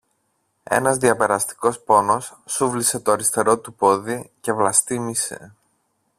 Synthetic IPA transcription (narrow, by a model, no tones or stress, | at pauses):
e̞̰nɐzðiɐpe̞ɾɐst̪i̥ko̞spo̞no̞sːuvlise̞t̪oɐɾist̪e̞ɾo̞t̪upo̞ðice̞vlɐst̪imise̞̰